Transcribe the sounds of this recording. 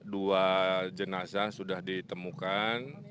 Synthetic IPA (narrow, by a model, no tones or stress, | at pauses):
duad͡ʒənasasudahdit̪əmukan